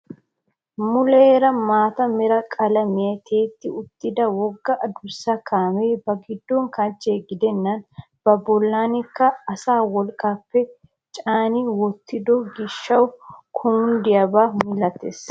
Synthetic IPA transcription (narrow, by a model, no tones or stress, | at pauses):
mʊleːɾɐmaːt̪ɐmɛɾɐkʼɐlɐmɪjɐt̪ʰe̞ːt̪ːɪʊt̪ːɪd̪ɐwɔɡːɐʔɐd̪ʊsːɐkʰaːmeːbɐɡɪd̪ːɔŋkɐnt͡ʃʼːeːɡɪd̪ɛnːɐn | b̥ɐbɔlːaːnɪkːɐːsaːwɔlkʼaːpːɛ | t͡ʃʼaːnɪwɔt̪ːɪd̪ɔɡɪʃːɐwkʰʊmʊnd̪ɪjɐbaːmʊlɐt̪ːḛːs